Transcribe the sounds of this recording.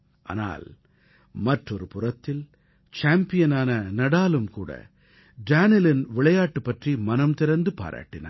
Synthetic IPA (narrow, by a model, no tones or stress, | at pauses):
ʔa̰ːna̰ːl | mɐʈrɔɾɯpʊrɐt̪ːɪl | t͡ʃaːmpɪjɐnaːnɐnɐɽaːlɯmkuːɽɐ̰ | ɖaːnɪlɪnʋɪɭɐjaːʈːɯpːɐʈrimɐnɐmt̪ɪɾɐnd̪ɯpa̰ːɾʔa̰ːʈːɪna̰